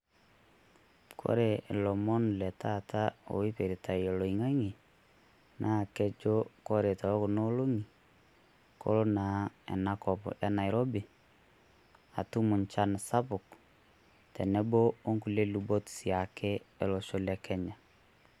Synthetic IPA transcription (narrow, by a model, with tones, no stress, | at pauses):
kʰo̰˦ɾɛ˨ʔe˨lɔ˨mɔ˦nlɛ˨ta˦tʰa˦o̰˨wi˦pe˨ɾi˨ta˨i˨o˨lo˨i˨ŋa˦ŋi˨ | nʔa˦˨kɛ˦t͡ʃo˦kɔ˦ɾe˨ta˨ɔ˦ko˨no˦lo˦ŋi˨ | ko̰˦ɾo˦naː˨ɛ̰˨na˦kɔ˨pɔ̰˨ja˦na˨i˨ɾɔ˦bi˨ | a̰˨tu˦mʊ˨ɲt͡ʃa˦nsa˦pʊ˨k | tɛ˨nɛ˦bo˦o˦ŋku˨le˦lu˨bo˦tsja˨kʰɛ˦e˨lo˨ʃo˦lɛ˨kʰɛ˦ɲa˨